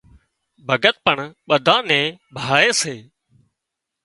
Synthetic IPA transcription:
bʱəɡət̪̚pəɳɓəd̪ʱãːnɛ̃ːbʱaːeːseː

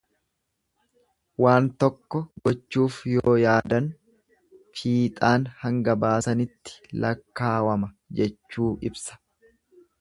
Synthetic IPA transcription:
waːnt̪ɔkːɔɡɔt͡ʃːuːfjoːjaːd̪ɐn | fiːt̪ʼaːnhɐŋɡɐbaːsɐnɪt̪ːɪ̥lʔɐ̰kːaːwɐmɐ | d͡ʒɛt͡ʃːuːʔɪbsɐ̥

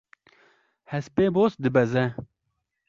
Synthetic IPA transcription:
hɛspeːboːsd̪ɪbɐzɛ

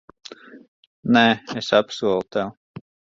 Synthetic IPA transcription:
nɛːesapsuɔlˠut̪ɛw

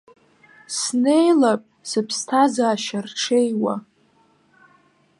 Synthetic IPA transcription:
sne̞jlapʼsɨpʰstʰazaːʃarʈ͡ʂʰe̞jwa̰

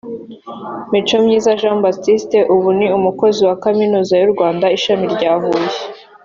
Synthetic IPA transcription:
mit͡ʃo̞mɲiːzaʒãːmbatiste̞ʔuβuniumuko̞ziwakaminuːzajuɾɡwaːndaiʃamiɾɟaːɦuːje

